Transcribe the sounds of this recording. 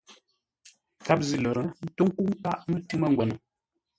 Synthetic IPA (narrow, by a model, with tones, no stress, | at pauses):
ka˦p̚zi˦˨lɔ˨ɾə˨n̩˦to˦ŋ˦ku˦ʔŋ˦ka˦˨ʔnu˦ti˦mə˦˨ŋ˨ɡwɛ˨nə˨